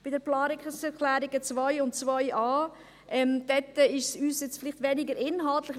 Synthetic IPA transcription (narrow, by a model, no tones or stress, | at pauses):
b̥ɪdəplɑːɾɪkəsɛɾkʰlæːɾɪɡət͡svaɪʊntt͡svɔɪʔɑː | ʔɛmd̥ɛtːəɪʃsyːsjɛt͡sfɪlɪχtvɛnɪɡəɾɪnɦɑltlɪχ